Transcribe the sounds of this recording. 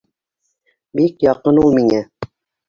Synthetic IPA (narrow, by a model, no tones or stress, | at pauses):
bikjɑqɤnulˠmiŋæ